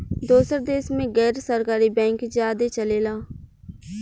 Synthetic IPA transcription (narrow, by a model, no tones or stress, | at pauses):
d̪oːsəɾd̪eːsmẽːɡɛːɾsəɾkaːɾiːbɛ̃ːŋkzjaːd̪eːt͡ʃəleːlaː